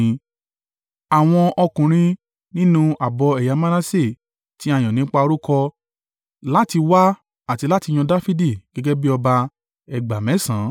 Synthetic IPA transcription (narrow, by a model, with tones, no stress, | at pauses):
a˨w̃ɔ̃˧ʔɔ˧kũ˨ɾ̃ĩ˧ | nĩ˦nũ˧a˨bɔ˧ɛ˨ja˨˧˦ma˦nã˦se˦˨ | ti˨˦a˦˨j̃ɔ̃˨nĩ˨˦k͡pa˧o˧ɾu˦kɔ˧ | la˦ti˧wa˦ | a˦˨ti˧la˦ti˧j̃ɔ̃˧da˦fi˦di˦˨ɡ̥ɛ˦ɡɛ˦bi˦ɔ˧ba˧ | ɛ˨ɡ͡ba˨mɛ̃˨˦sã˨˦